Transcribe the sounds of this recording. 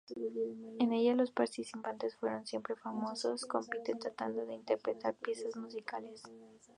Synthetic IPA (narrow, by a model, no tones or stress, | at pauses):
e̞ne̞ʝalo̞spaɾt̪isipant̪e̞sfwe̞ɾo̞nsje̞mpɾe̞famo̞so̞sko̞mpit̪et̪ɾat̪and̪o̞ðe̞int̪e̞ɾpɾe̞t̪aɾpje̞sazmusikale̞s